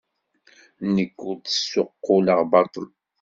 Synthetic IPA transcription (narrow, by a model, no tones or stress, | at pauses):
nəkːʊt̪əsːoqːoləʁbɑt̪ˤəl